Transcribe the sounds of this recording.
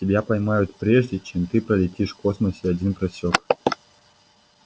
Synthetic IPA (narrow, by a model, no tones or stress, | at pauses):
tʲɪbʲapɐjmajʊt̪pɾʲeʐdʲɪt͡ɕemt̪ɨpɾəlʲɪtʲiʂkosməsʲɪɐdʲinpɾɐsʲok